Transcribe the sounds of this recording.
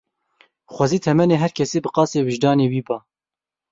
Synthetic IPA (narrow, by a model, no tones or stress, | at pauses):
xʷɑziːt̪ʰɛmɛneːɦɛɾkʰɛseːbɨqɑːseːwɨʒd̪ɑːneːwiːbɑː